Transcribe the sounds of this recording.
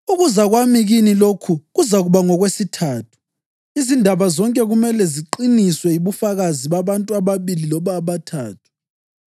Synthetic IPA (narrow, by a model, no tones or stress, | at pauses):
uɣuzaɣwamiɣinilokʰuɣuzaɣuβaŋɔɣwesitʰaːtʰu̥ | izindʱaβazɔŋkʼɛɣumɛlɛziǃiniswɛiβufaɣaziβaβantʼuaβaβililɔβaːβatʰaːtʰu̥